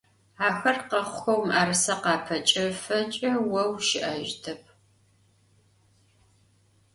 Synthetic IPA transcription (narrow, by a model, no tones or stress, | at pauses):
aːxɐrqɐχʷxɐwmaːrɨsɐqɑːpʰɐt͡ʃʼɐfɐt͡ʃʼɐwɐwʃɪʔaʒtʰɐp̚ʰ